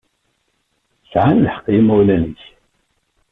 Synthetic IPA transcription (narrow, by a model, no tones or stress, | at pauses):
sʕanləħə̥qːjimæwlænəç